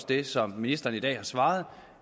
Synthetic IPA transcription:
sd̥e̝sɒ̽mːinisd̥ɐːnid̥ɛ̰ːhɑ̈sʋɑ̈ːð̞̩ˠ

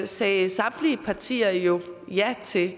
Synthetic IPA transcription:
sɛːsɑ̈mliəpʰɑ̈t͡sʰḭːɐjo̝ | jæt͡sʰe̝

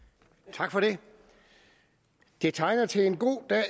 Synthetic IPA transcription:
t͡sʰɑ̈ɡ̥fɒ̽ɾe̝ | d̥e̝t͡sʰɑ̈ɪnɐt͡sʰe̝enɡ̥o̝̰ːd̥ɛ̰

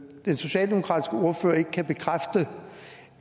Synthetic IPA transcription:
d̥enso̝ɕɛ̰ːld̥emo̥kʰʁɑ̈d̥i̥sɡ̥əo̝ɐfø̰ːɐe̝ɡ̥əkʰæb̥e̝kʰʁafd̥ə

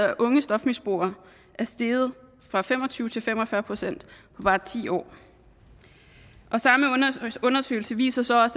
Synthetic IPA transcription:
ɐʔɔ̽ŋəsd̥ɒ̽fmisb̥o̝ːɐ | ʔæɐsd̥e̝ːð̩ˠ | fʁɑ̈fem̰ɒ̽t͡sʰyːʊt͡sʰe̝lfem̰ɒ̽fɶɐpʰʁo̝sen̰d̥pʰɒ̽b̥ɑ̈ːt͡sʰḭːɒ̰ː | ʔɒ̽sɑ̈məɔ̽nɐsø̰ɪl̩səʋḭːsɐsɒ̽ɒ̽s

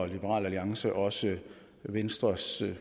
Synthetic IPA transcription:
lib̥əʁɑ̰̈ːlæliɑ̈ŋsəʔɒ̽sə | ʋensd̥ʁɐs

